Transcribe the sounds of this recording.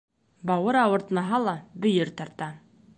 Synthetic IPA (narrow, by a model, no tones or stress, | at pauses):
bɑwɤɾɑwŏɾt̪nɑɦɑlˠɑbɵ̆jɘɾt̪ɑɾt̪ɑ